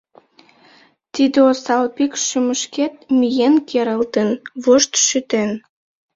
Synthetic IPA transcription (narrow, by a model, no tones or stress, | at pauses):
t̪id̪eosɑlpikʃyməʃket̪̚mijenkʰeɾəlt̪ənβoʃt̪ʃyt̪en